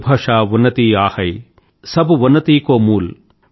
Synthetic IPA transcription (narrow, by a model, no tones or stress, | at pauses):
bʱɐʂaːʋʊnːɐt̪iːaːhɐj | sɐbuʋʊnːɐt̪iːkoːmuːl